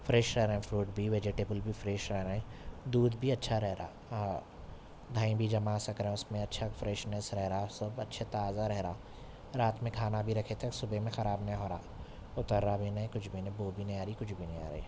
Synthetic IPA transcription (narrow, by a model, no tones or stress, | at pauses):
fʰɾɛʃɾɛɦɾẽẽpʰɾuːʈbʱiʋeːd͡ʒeʈeːbəlbʱifɾeːʃɾɛɦɾaɛ̃d̪uːd̪bʱiɐtːʃʰaɾɛɦɾa̰ː | d̪ʱaːĩbʱid͡ʒɐmasɐkɾeẽʊsmẽɐtːʃʰafɾɛʃnɛsɾɛɦɾaːsɐbɐtːʃʰet̪aːzaɾɛɦɾaː | ɾaːt̪mẽkʰaːnabʱiɾɐkʰet̪ɐksʊbemẽxɐɾaːbnɐĩɦoːɾaː | ʊt̪əɾːabʱinɐĩkʊt͡ʃʰbʱinboːbʱinɐ̃aːɾikʊt͡ʃʰbʱinẽa̰ːɾḭ